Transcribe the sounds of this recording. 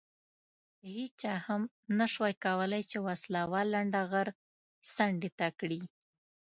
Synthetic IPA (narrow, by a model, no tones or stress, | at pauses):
əhit͡ʃɑham | naʂwajkawəlajt͡ʃewaslawɑlːaɳɖaɣaɾ | saɳɖet̪akɽi